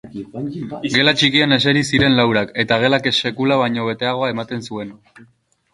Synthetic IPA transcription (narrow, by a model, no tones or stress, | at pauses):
ɡe̞lat͡ʃikiane̞se̞ɾisiɾe̞nlawɾake̞t̪aɣ̞e̞lakese̞kulaβ̞ajɲo̞β̞e̞t̪e̞aɣ̞o̞ae̞mat̪e̞nsue̞n